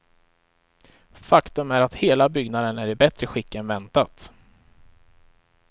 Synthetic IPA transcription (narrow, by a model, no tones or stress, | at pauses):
fakt̪ɵmæɾat̪heːlabʏɡnad̪ənæɾɪbɛt̪ɾəɧɪkːənvɛnt̪at̪